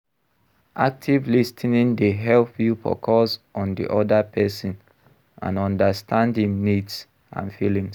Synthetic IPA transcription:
ʔak̚tʰivlistʰinĩndeɦɛlpʰjupʰɔ̰kʰɔsɔ̃ndḭʔɔdapʰɛsɔ̃n | ʔã̰nɔ̃ndəstʰãndĩŋnids | ã̰nfilĩŋs

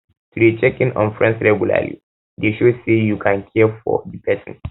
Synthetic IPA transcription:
tʰudet͡ʃɛkĩnɔ̃nfɹɛ̃nsɹɛɡjula̰lḭ | deʃosejukʰãnkʰɛfɔ̰dipʰɛsɔ̰̃n

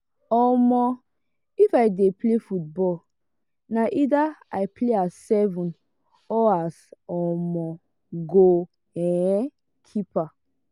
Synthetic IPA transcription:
ɔmɔ | ifajdeplefut̚bɔl | naʔidaajpleasːɛvũn | ɔasɔmɔ | ɡo | ɛ̃ | kʰipa

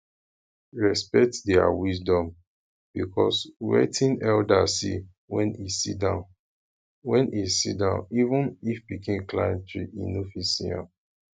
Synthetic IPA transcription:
ɹɛspɛk̚tdɛa̰wisdɔ̃m | b̥ikʰɔswɛ̰tʰĩnɛldasi | wɛ̃nisidãʊ̃n | wɛ̃nʔisitdãʊ̃nivũnifbikẽmklajɛ̃ntɹiʔḭ̃nofisia̰

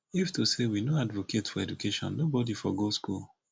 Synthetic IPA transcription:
iftosewinoadvokʰetfɔɛd͡ʒukʰeʃɔ̰̃nːobɔdifɔɡoskṵl

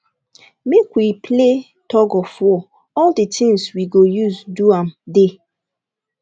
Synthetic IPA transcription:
mekwipʰle | tʰɔɡɔfwɔ | ɔldətʰĩŋswiɡojuzduãmde

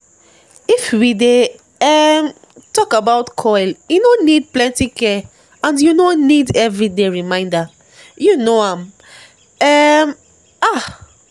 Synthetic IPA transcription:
ifwide | ɛm | tɔkabaʊtkʰɔɪljunonid̚plɛ̃ntikɛ | ãndjunonidɛvɹideɹimãɪ̃nda | junoãm | ɛm | a

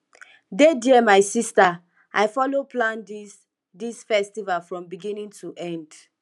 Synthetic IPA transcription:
dediɛmaɪsista | ʔa̰ɪjfɔloplãndis | disfɛstivalfɹɔ̃mbiɡĩnĩŋtʰuʔɛ̃nd

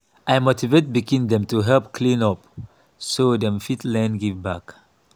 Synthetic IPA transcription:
ʔajmotivet̚bikĩndɛ̃mtuɦɛlp̚kʰlĩnɔp̚ | sodɛ̃mfitlɛ̃nɡivbak

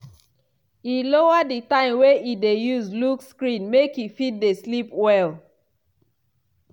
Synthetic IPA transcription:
ilowaditãɪ̃mweʔidejuzlukskɹĩnmekjifid̚deslipwɛl

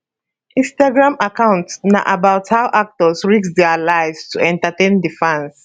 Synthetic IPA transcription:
ʔĩnstaɡɹãmakãʊ̃ntnaʔabaʊthaʊʔak̚tɔsɹiksdɛalaɪvstʰuɛ̃ntatẽndifãns

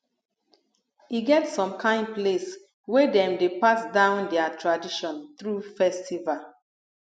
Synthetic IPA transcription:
iɡɛtsɔ̃mkʰãɪ̃nples | wɛdɛ̃mdepasdãʊ̃ndɛatʰɹadiʃɔ̃nθɹufɛstʰival

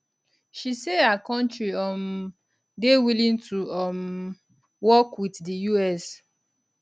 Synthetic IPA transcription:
ʃisehakɔ̃ntɹiɔm | dewilĩntʰuɔm | wɔkwiddijuɛs

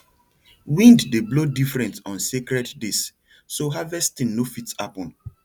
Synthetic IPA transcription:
wĩnddeblodifɹɛ̃ntɔ̃nsekɾɛddes | soɦavɛstĩnːofitapɔ̃n

